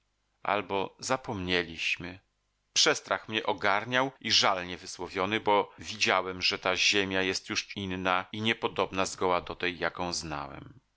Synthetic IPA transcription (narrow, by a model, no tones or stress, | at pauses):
ʔa̰lbɔzapɔmɲelʲiɕmɘ | pʂɛst̪ɾaxmɲɛʔɔɡaɾɲawiʐalɲɛvɘswɔvʲjɔnɘbɔvʲid͡ʑawɛmʐɛt̪aʑemʲjajɛst̪juʂinːaiɲɛpɔd̪ɔbnazɡɔwad̪ɔt̪ɛjːakɔ̃w̃zna̰wɛ̰m